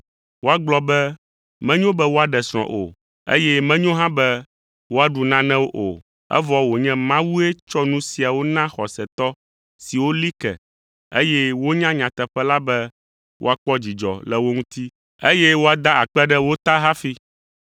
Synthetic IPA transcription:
wo˦a˦ɡ͡blɔ˦bɛ˦ | mɛ̃˦ɲõ˦bɛ˦wo˦a˦ɖɛ˨sɾ̃ɔ̰̃˨ʔo̰˨ | ḛ˦jɛ˦mɛ̃˦ɲõ˦ɦã˦bɛ˦ | wo˦a˨ɖu˨nã˦nɛ̃˦wo˦ʔo̰˨ | ɛ̰˦vɔ˦wo˨ɲɛ̃˦mã˦wu˦ɛ˦t͡ʃɔ˦nũ˦si˨a˨wo˦nã˦xɔ˨sɛ˨t̪ɔ˦ | si˨wo˦li˦kɛ̰˨ | e˦jɛ˦wo˦ɲã˦ɲã˨t̪ɛ˨ɸɛ˦la˦bɛ˦ | wʔo̰˦a˨k͡pɔ˦d͡ʑi˨d͡ʒɔ̰˨lɛ˨wo˦ŋũ˦t̪i˦ | e˦jɛ˦wo˦a˨d̪a˦a˨k͡pɛ˦ɖɛ˦wo˦t̪a˦ɦa˦fi˦

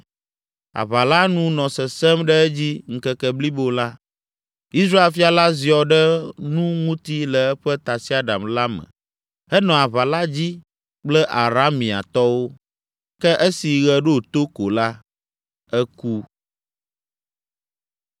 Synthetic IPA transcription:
a̰˨βa˨la˦nũ˦nɔ̃˨sɛ˨sɛ˦mɖɛ˦ɛ˦d͡ʑi˦ŋ̩˨kɛ˨kɛ˨bli˦bo˦la˦ | i˦sɾa˦e˨lfi˦a˨la˦zi˨ɔ˨ɖɛ˦nũ˦ŋũ˦t̪i˦lɛ˨ɛ˦ɸɛ˦t̪a˨si˦a˨ɖa̰˨mla˦mə̰̃˨ | ɛ˦nɔ̃˨a˨βa˨la˦d͡ʑi˦ | k͡plɛ˦ʔa˨ɾa˦mĩ˨a̰˨t̪ɔ˦wo˦ | kɛ˦ʔɛ˦si˨ɣɛ˦ɖo˦t̪o˦ko˨la˦ | ɛ˦ku˦

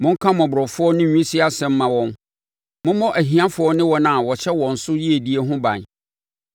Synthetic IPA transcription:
mʊ̃˦ŋ̩˦kʰã˦mɔ̃˨bʊ˨ɾɔ˨fʊ˦ɔ˦nɪ̃˦ɲᶣũ˦si˦a˦sɛ̃˦mː˦ã˨wɔ̃˦n | mʊ̃˦mɔ̃˦ʔæ˨ɦĩ˨ã˦fʊ˨˦ɔ˦nɪ̃˦wɔ˦nã˨wɔ˨ɕʰɛ˦wɔ̃˨n̩˨sʊ˦ji˦e˨di˦e˦ɦʊ̃˦bã̰˨n˨

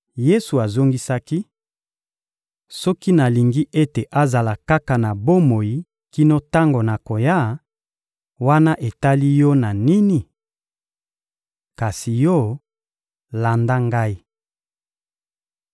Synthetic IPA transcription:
je˦su˨a˨zo˦ŋɡi˦sa˦ki˦ | sɔ˦ki˦na˨li˨ŋɡi˦ʔe˦te˨ʔa˦za˨la˨ka˦ka˨na˨bo˦mo˨ji˨ | ki˦no˦ta˦ŋɡo˨na˨ko˨ja˦ | wa˦na˦ʔe˨ta˦li˦jɔ˦na˨ni˦ni˨ | ka˨si˨jɔ˦ | la˨nda˦ŋɡa˦i˦

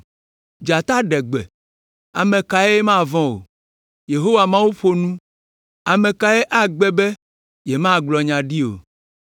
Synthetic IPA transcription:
d͡ʒa˨t̪a˦ɖɛ˨ɡ͡bɛ̰˨ | a˨mẽ˨ka˨e˦e˦mã˦˨vɔ̃˦o̰˨ | je˨ɦo˦wa˨mã˦wu˦ɸo˦nũ˦ | a˨mẽ˨ka˨e˦ʔa˦ɡ͡bɛ˦bɛ˦ | je˨mã˦˨ɡ͡blɔ˨ɲã˨ɖi˦o̰˨

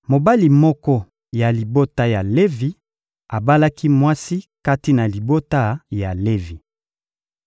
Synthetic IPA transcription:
mo˨ba˦li˨mɔ˦kɔ˦ | ja˨li˨bo˦ta˦ja˨le˦vi˨ | a˨ba˦la˦ki˦mwa˦si˦ka˦ti˦na˨li˨bo˦ta˦ja˨le˦vi˨

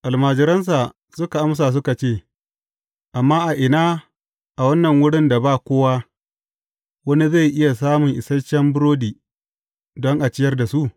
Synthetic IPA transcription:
ʔa˨lmaː˨d͡ʒɪ˦ɾɐ˦ns̬a˨ | sʊ˦ka˨ʔa˦ms̬a˨s̬ʊ˦ka˨t͡ʃeː˦˨ | ʔa˨mːaː˦ʔa˨ʔɪ˨naː˦ | ʔa˨wɐ˦nːɐ˨ŋwʊ˦ɽɪ˦nda˨baː˦˨kʷoː˦wa˦ | wɐ˦ni˦za˦˨jʔɪ˦ja˨s̬aː˦mʊ˨ŋʔɪ˨sɐ˦t͡ʃːɛ˦mbʊ˦ɽoː˦diː˨ | dɔ˦ŋʔa˨t͡ʃɪ˦jɐ˦rda˨su˦ʔ

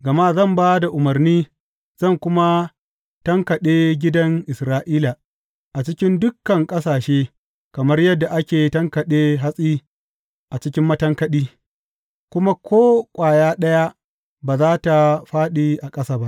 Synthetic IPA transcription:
ɡɐ˨ma˦zɐ˦˨mbaː˦da˨ʔʊ˨mɐ˨rniː˦ | z̥ɐ˦˨ŋkʷʊ˦ma˦ | tɐ˦ŋkɐ˨ɗeː˦ɡʲɪ˦dɐ˦ŋʔɪ˨sɾaː˦ʔiː˦la˨ | ʔa˨t͡ʃɪ˦kʲɪ˦ndʊ˦kːɐ˨ŋkʼɐ˦saː˨ʃeː˦ | kɐ˨mɐ˦rjɐ˦dːa˨ʔa˦kʲeː˨tɐ˦ŋkɐ˨ɗeː˦ɦa˦sʼiː˦ | ʔa˨t͡ʃɪ˦kʲɪ˦mːɐ˦tɐ˦ŋkɐ˦ɗiː˦ | kʷʊ˦ma˦kʷʰoː˦kʷʼaː˨jaː˦ɗɐ˦ja˦ | baː˨zaː˦ta˨ɸaː˦ɗi˨ʔa˨kʼɐ˦saː˦˨ba˦ʔ

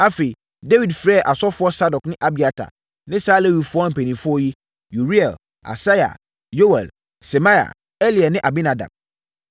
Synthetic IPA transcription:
a˦fe˨i˨ | de˦wi˨dfɾɛː˦˨ʔa˨sɔ˦fʊ˦ɔ˦sa˦dɔ˨knɪ̃˦ʔa˦bi˨a˨tʰa̰˨ | nɪ̃˦saː˦le˦wi˨fʊ˦ɔ˦m̩˨pʰe˨nĩ˨fʊ˦ɔ˦ji˦ | ju˨ɾi˦ɛ˨l | a̰˨sa˦ja̰˨ | jo˦wɛ̰˨l | sɛ˨mã˦ja̰˨ | e˦li˨a˨nɪ̃˦ʔa˨bi˦na˨dã̰˨m

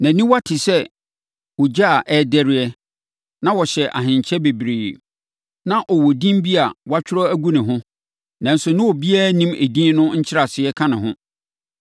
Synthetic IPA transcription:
næ̃˨nĩ˦wa˦tʰɪ˨sɛ˦ | wɔ˨d͡ʑa˦˨ʔɛ˦dɛ˦ɾɪ˦ɛ˦ | nã˦wɔ˨ɕɛ˨ʔa̰˨ɦɪ̃˨ɲ˨t͡ɕʰɛ˦be˨bɾeː˨ | nã˦ʔɔ˨wɔ˨dĩ˦m˦bi˦a˨wa˦t͡ɕᶣʰɪ˦ɾɔ˦æ˦ɡu˦nɪ̃˨ɦʊ̃˦ | nã˨n̩˦sʊ˨nɪ̃˦wɔ˨bi˦a˦nĩ˦me˨dĩ˦nʊ̃˦ɲ̩˦t͡ɕʰɪ˦ɾa˨sɪ˨ɛ˦kʰã˦nɪ̃˨ɦʊ̃˦

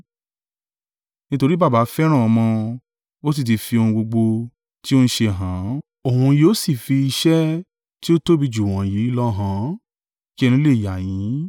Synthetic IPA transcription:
nĩ˦to˧ɾi˦ba˦˨ba˨˦fɛ˦ɾ̃ã˦˨ɔ˧mɔ̃˧ | o˦s̬i˦˨t̬i˧fi˧o˧hũ˧ɡ͡bo˧ɡ͡bo˧ | ti˦o˦ñ̩˦ʃe˧˨ɦã˨˦ | o˨hũ˧joː˦si˦˨fi˧i˧ʃɛ˦ | ti˦o˦to˦bi˧d͡ʒu˨wɔ̃˨ji˨˦i˦lɔ˦ɦã˨˦ | ki˦ɛ˦˧nĩ˧˦le˦˨ja˨jĩ˨˦

